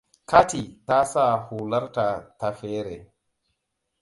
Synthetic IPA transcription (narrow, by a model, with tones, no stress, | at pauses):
ka˦ti˨ta˦sa˦˨huː˨la˦ɾta˨ta˨fɛː˦ɾɛ˨